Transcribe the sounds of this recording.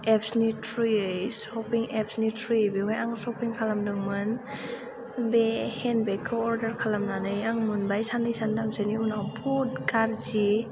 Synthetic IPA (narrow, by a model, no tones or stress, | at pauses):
epʰsnitʰɾiɯjsɔpiŋep̚ʰsnitʰɾibeɦɔjaŋsɔpiŋkʰalamdɯŋmɯn | behenbekʰɯɔɾdaɾkʰalamnanɯjaŋmɯnbajsandɯjsandamseniunawbʰɔd̚kaɾzi